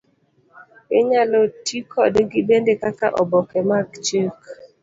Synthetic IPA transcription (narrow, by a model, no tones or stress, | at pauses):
ɪɲalɔtikʰɔdɡɪbendekaka̰ʔɔbɔkɛmakt͡ʃək